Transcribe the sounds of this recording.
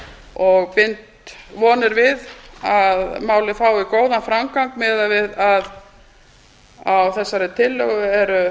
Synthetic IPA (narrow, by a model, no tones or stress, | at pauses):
ɔɣpɪnt̪vɔːnɪɾvɪðaðmaːwlɪfaːwikoːwðanfɾamkaŋkmɛːðavɪðað | awθɛsːaɾɪt̪ʰɪlːœɣʏɛɾʏ